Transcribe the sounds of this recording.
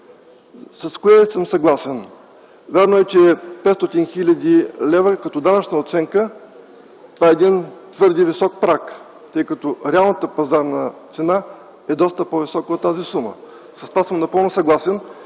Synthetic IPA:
sɐskoɛsəmsɐɡlˠasɛn | vʲjaɾnoɛt͡ʃɛpɛt̪st̪ɔt̪inxilʲɐd̪ilɛvəkɐt̪ɔd̪anɐt͡ʃnəot̪sɛŋkə | t̪ovaɛːɛd̪int̪vɤɾd̪ivisɔk̚pɾak | t̪ɤjkət̪oɾɛalˠnət̪əpɐzaɾnət̪sɛna | ɛd̪ɔst̪əpovisɔkot̪ːazisumə̰ | sɐ̥st̪ovasɤmnɐpɤlˠnʊsɐɡlˠasɛn

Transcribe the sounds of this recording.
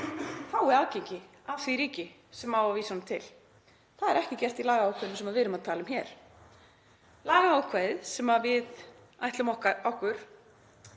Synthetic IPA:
haːwɛðaːwcejɲcɪ | avθviɾiːcɪ | sɛmaːwvaviːsanmt̪ʰɪl | θaðɛɾɛhcɪcɛr̥t̪ilaːɣahawkʰvɛðnʏmsɛmaðvɪðɾʏmaðt̪ʰaːlɪmçɛɾ̥ | laːɣahaːwkʰvaðsɛmaðvɪð | ajht̪lʏmɔhkaɔhkʏɾ̥

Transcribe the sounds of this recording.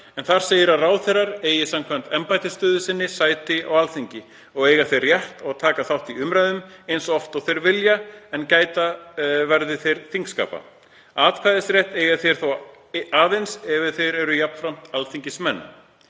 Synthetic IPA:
ɛnθaɾ̥seːjɪɾaraːwθejraɾeːjɪsamkʰvamt̪ɛmpajt̪ɪst̪œːðʏsɪnːɪsaːjt̪ɪa̰walθiɲcɪ | ɔɣeːjɣaθejrːjɛht̪ɔɣt̪ʰaːkaθawht̪iʏmɾajðʏmejnsɔɔft̪ɔwθejɾvɪljaɛncaːjt̪avɛɾðɪθejɾ̥θiŋkska̰ːpa̰ | aːt̪kʰvajðɪsɾjɛht̪eːjɣaθejɾ̥θaw | aːðejnsɛvɪθejɾɛɾʏjapn̥fɾam̥t̪alθiɲcɪsmɛnːa̰

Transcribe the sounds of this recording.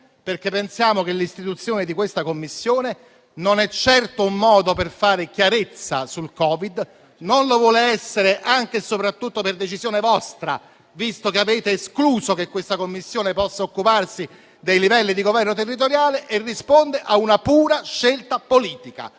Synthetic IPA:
perkepːensjaːmok̟elːist̪it̪ut̪sːjoːned̪ikwest̪akomːisːjoːne | nonɛt͡ʃːɛrt̪oumːɔːd̪operfaːɾekjaɾet̪sːa̰sulkɔːvid̪ | nonlovwɔːleɛsːeɾeʔaŋk̟esopɾat̪ːut̪ːoperd̪et͡ʃizjoːnevɔst̪ɾa̰ | vist̪okeaveːt̪eːskluːzok̟ekːwest̪akomːisːjoːnepɔsːaokːuparsi | d̪ejlivɛlːid̪iɡovɛrnot̪erːit̪̬oɾjaːleʔerːispond̪eʔaunapuːɾaʃːelt̪apoliːt̪ika̰

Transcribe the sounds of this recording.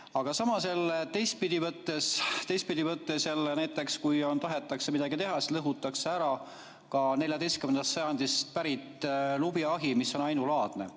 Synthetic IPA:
ɑɡ̥ɑsɑmɑselːt̪e̞jst̪̚pid̪ivɤt̪ːe̞st̪ejs̚pid̪ivɤt̪ːe̞sjɑlːnæjt̪ːˑe̞kskujo̞nt̪ɑɦe̞t̪ːˑɑksemid̪ɑɡit̪e̞ɦɑsi̥lɤɦut̪ːˑɑkseæɾɑ | kɑne̞ljɑd̪e̞jst̪kymend̪ɑst̪sɑjɑnd̪̥ist̪̚pæɾit̪ːˑlubiɑɦimisːo̞nɑjnulɑːd̪̥ne̞̰

